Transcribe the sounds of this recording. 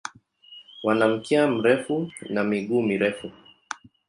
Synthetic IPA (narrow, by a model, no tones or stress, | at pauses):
wanam̩kiam̩ɾɛfunamiɠuːmiɾɛfu